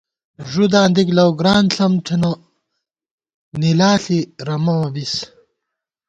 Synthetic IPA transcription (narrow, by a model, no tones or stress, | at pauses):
ʐud̪aːnd̪iklɐwɡɾaːnɬɐmtʰinɐ | nilaːɬiɾɐmɐbis